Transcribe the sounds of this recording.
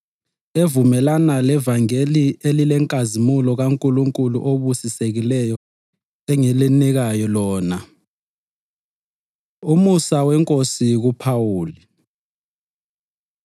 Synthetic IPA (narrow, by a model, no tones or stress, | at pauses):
evumɛlanalɛvaŋelielilɛŋkʼazimulɔɣaŋkʼuluŋkʼulṵʔoβusiseɣilɛjɔ | ɛŋeliniɣajɔlɔːna | umusawɛŋkʼosiɣupʰawuːli